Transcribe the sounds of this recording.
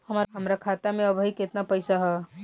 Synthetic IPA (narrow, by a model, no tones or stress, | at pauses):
həmɾɦəmɾakʰat̪amẽəbʱəiket̪napəɪsaɦɛ